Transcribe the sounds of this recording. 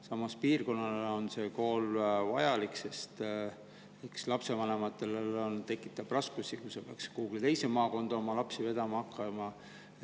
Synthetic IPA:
sɑmɑspiːrko̞nːɑleo̞nse̞ːko̞ːlvɑ̰jɑlikse̞st̪ | ekslɑpse̞vɑne̞mɑt̪ːˑe̞lelo̞nt̪e̞kːˑi̥t̪ːˑɑb̥rɑskusikusepeɑkskuhːɡ̥ilt̪e̞jse̞mɑːko̞nd̪̥ɑo̞mɑlɑpsive̞d̪̥ɑmɑɑkːˑɑmɑ

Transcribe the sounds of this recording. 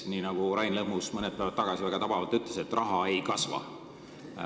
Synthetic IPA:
niːnɑɡ̥uɾɑjnlɤhmusmɤnɛd̪̥̚pævɑt̪ːɑɡ̥ɑsivæɡ̥ɑt̪ɑb̥ɑvɑlt̪ːyt̪ːˑleset̪ːrʔɑɦɑe̞jkɑsvɑ̰

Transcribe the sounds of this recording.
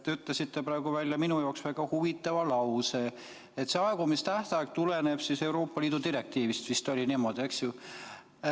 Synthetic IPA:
t̪ːeyt̪ˑlesit̪ːepɾɑe̞ɡ̥uvælʲjɑminujɑoksvæɡ̥ɑhuvit̪ːˑɑvɑlɑwse | et̪seɑeɡumist̪æht̪ɑɑkt̪ule̞neb̥sise̞uɾo̞ːpːɑliːd̪̥ut̪iɾe̞k̚t̪iːvist̪ʋist̪o̞lʲiniːmo̞d̪̥ie̞ksju

